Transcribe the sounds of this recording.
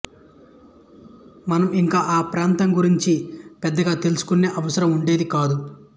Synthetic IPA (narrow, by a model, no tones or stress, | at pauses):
mɐnɐmiŋkaːʔaːpɾaːnt̪ɐmɡuɾiɲt͡ʃipɛd̪ːɐɡaːt̪e̞lusu̥kunːe̞ːʔɐʋɐsɐɾɐmuɳɖe̞ːd̪ikaːd̪u